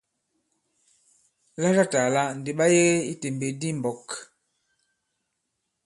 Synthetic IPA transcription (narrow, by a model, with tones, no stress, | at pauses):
la˦ɾa˦ta˨la˦n̩˨di˨ɓa˦je˦i˦te˨mbe˨di˦m̩˨bɔ˨k